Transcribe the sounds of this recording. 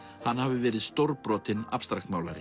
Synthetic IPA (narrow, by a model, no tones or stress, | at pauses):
hanːhavɪvɛːɾɪðst̪owɾpɾɔːt̪ɪnapst̪ɾaxt̪maːwlaɾɪ